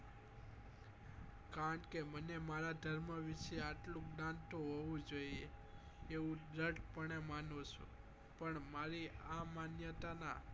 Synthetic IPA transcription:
kaɾəɳʈkemənemaɾad̪ʱəɾməʋiʃeaʈlũɡɽãnt̪õɦoʋũd͡ʒoie | eʋũdəʈpəɳemanoʃʰṵ̃ | pəɳmaɾiamanjət̪ana̰

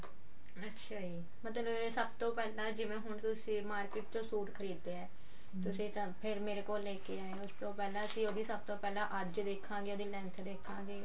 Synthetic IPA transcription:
ətːʃʰaːiː | mət̪ləbesəbt̪õːpɛːlãːd͡ʒɪʋẽːɦʊɳt̪ʊsĩːmaːɾkɪʈ̚t͡ʃõːsuːʈkʰəɾiːd̪ːeɛː | t̪ʊsĩːt̪ː | pʰɪɾmeːɾeːkoːlːeːkeːaːẽːʊst̪õːpɛːlãːəsĩːoːd̪iːsəb̚t̪õːpɛːlãːʔəd͡ʒd̪eːkʰːãːɡeːoːd̪iːlɛ̃ːnt̪ʰəɾd̪eːkʰːãːɡeː

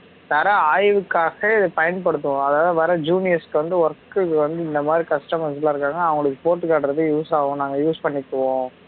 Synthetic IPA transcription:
t̪ɐɾɐaːjʋɯkːaːɣɐɪðɯpɐjɐnpɐɽɯt̪ːɯʊ̃ɐðaːðɯʋɐɾɐd͡ʒuːnɪjɐskːɯʋɐnd̪ɯʋɐɾɐkːɯkːɯʋɐnd̪ɯɪnd̪ɐmaːd̪ɾikɐsʈɐmɐslaɪɾɯkːaːŋɡɐɐːʋɐŋɡɐɭɯkːɯpoːʈːɯkaːʈɾɐðɯjuːsaːʋõnaːŋɡɐjuːspɐɳːɪkːɐʋõː

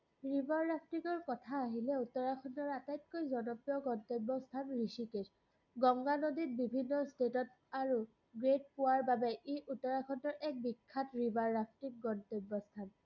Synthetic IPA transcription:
ɹibʱaɹːapʰtikɔɹkɔtʰaːɦilɛutɔɹakʰɔntɔɹatajt̚kojzɔnɔpjɔɡɔntobːɔstʰanɹisiket | ɡɔŋɡanodit̚bibʱinːɔstetɔt | aɹu | ɡɹet̚pʊwaɹbabɛʔeʔutːɔɹakʰɔntɔɹʔɛk̚bikʰːatɹibaɹːapʰtik̚ɡɔntɔbːɔstʰan

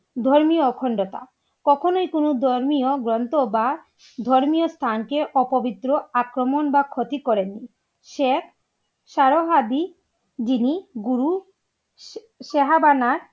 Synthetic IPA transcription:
d̪ʱɔɾmiokʰɔɳɖot̪a̰ | kɔkʰonojkonod̪ʱɔɾmioɡɾɔnt̪oba | d̪ʱɔɾmijost̪ʰankeʔɔpobit̪ːɾoakɾomonbakʰot̪ikɔɾenːi | ʃekʰ | ʃaɾoɦad̪i | d͡ʑiniɡuɾu | ʃeɦabanaɾ

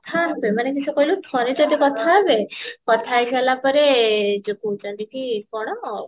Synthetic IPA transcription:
t̪ʰabemanekit͡ʃʰukoilut̪ʰɔned͡ʒod̪ikɔt̪ʰaːbekɔt̪ʰaeʃɛlapɔɾed͡ʒokut͡ʃɔnd̪ik̪ʰikɔɽ̃ɔmɔ

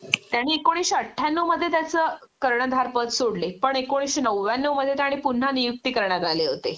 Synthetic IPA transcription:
t̪jaɽ̃iːekːoɽ̃iɕəʈʰːjanːəməd̪ʱːjet̪jat͡səːkəɾɳəd̪ʱaɾpət̪soɽlepəɳekːoɽ̃iɕinəwːjanːəwməd̪ʱːjet̪̬jaɽ̃iːpun̤ːanijuk̚t̪iːkəɾɳjaɾaleɦot̪e

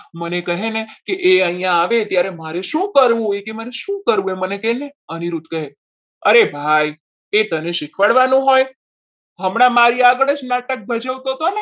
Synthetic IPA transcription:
mənekəɦenekeʔeəĩjãːʋet̪jaɾemaɾeʃũkəɾʋũojkeməneʃũkəɾʋũemənekeneəniɾut̪kəɦe | əɾebʱaj | et̪əneʃɪkʰʋəɽʋanũɦoj | ɦəmɽ̃amaɾiaɡəɭəd͡ʒnaʈək̚bʱəd͡ʒəʋt̪ot̪one

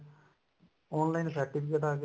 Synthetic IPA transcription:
oːnlaɪnsəɾʈipʰikeʈaːɡ

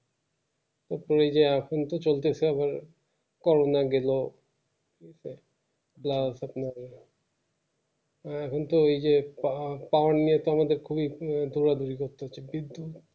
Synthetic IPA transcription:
t̪aɾpoɾejd͡ʑeɛkʰont̪ot͡ɕolt̪esʰeaβaɾ | kɔɾonaɡelo | isʰe | blasapnaɾ | ɛkʰont̪oejd͡ʑe | paoanːijet̪oamad̪eɾkʰubid̪ʱuɾad̪uɾikoɾt̪ːoɦot͡ɕʰebid̪ːut̪

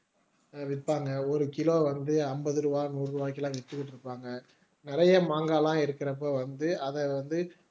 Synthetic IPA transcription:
ʋɪʈpːaːŋɡɐɔɾɯkɪloːʋɐnd̪ɯɐmbɐðɯɾɯʋaːnuːrrɯʋaːkɪlãːʋɪt̪ːɯkːɪʈːɪɾɯpːaːŋɡɐ | nɪɾɐjɐmaːŋɡaːlãːɪɾɯkːɪɾɐpːoːʋɐnd̪ɯʔɐðɛʋɐnd̪ɯ

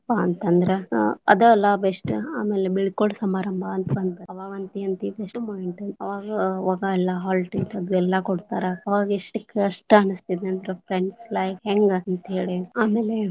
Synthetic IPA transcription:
paɐnt̪ɐnd̪ɐɾeɐ̰d̪uɛlːaːbeʂʈuaːmeːlebiɭkoɭsɐmaːɾɐmbʱɐɐnt̪ʰɐbɐnd̪b̪ɐɐʋaːɡɐnt̪iɐnt̪it̪eʂʈumojiɳʈɐnɐʋaːɡɐʋaːɡɐɛlːɐɦaːlʈit̪ɐd̪uɛlːɐkoɽt̪aːɾeɐʋaːɡɐiʂʈɐkːeɐʂʈɐɳɨst̪id̪eɐnd̪ɾepʰɾeɳɖslɐjfɦeŋɡɐnt̪ɦeːɽiaːmeːle

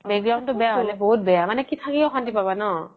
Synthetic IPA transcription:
beɡɹɔŋtʊbɛjaɦolɛboɦut̚bɛjamanɛkitʰakɛɔxantipabanɔ

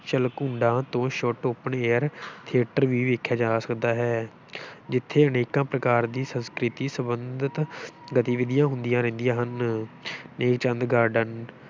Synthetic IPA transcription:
ʃəlkũːɳɖãːt̪õːʃoʈoːpəɳeːəɾt̪ʰieːʈəɾʋiːʋeːkʰːjaːd͡ʒaːsə̥kd̪aːɦɛː | d͡ʒɪt̪ʰːeːəneːkãːpɾəkaːɾd̪iːsə̃nskɾɪt̪iːsəbəndd̪ɪt̪ɡət̪iːʋɪd̪ɪjãːɦʊnd̪ijãːɾɛ̃ːnd̪ijãːɦən | neːkt͡ʃə̃nd̪ɡaːɾɖən

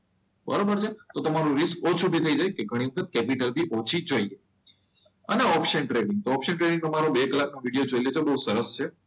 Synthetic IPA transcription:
bə̰ɾobəɾt͡ʃʰet̪ot̪əmaɾũɾiskot͡ʃʰubʱit̪ʰəid͡ʒajkeɡʱəɽ̃iʋəkʰət̪̚kɛpiʈəlbʱiʔot͡ʃʰid͡ʒoie | əneɔpʃənʈɾeɽɪŋɡ̚t̪oɔpʃəɳʈɾeɽĩŋnomaɾobekəlːaknoʋiɽijod͡ʒoilet̪obəɦusəɾəst͡ʃʰe

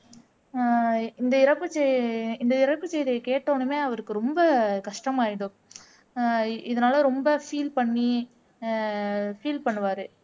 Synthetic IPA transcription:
ɪnd̪ɐɪɾɐpːɯt͡ʃːɛɪnd̪ɐɪɾɐpːɯt͡ʃːɛjðɐjkeːʈːoːnɯmeːɐʋɐɾɯkːɯɾɔmbɐkɐʂʈɐmaːjɪɽɯ̃ | ɪðɐnaːlɐɾɔmbɐfiːlpɐɳːi | fiːlpɐɳːɯʋaːɾɯ

